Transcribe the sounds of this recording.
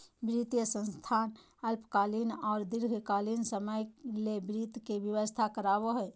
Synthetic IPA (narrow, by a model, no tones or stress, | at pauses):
bɾit̪jəsə̃nst̪ʰan | əlpkalinɔːɾd̪iɾɡʱkalinsəməjlebɾit̪kebjəʋəst̪ʰakəɾaboɦɛj